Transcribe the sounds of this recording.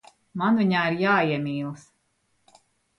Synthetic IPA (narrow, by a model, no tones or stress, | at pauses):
manviɲaːiɾjaːiɛmʲiːlˠɨs